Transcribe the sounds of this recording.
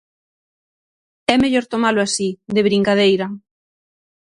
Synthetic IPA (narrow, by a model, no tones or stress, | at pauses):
ɛmeʎoɾt̪omalʊasiðeβɾiŋkað̞ejɾɐ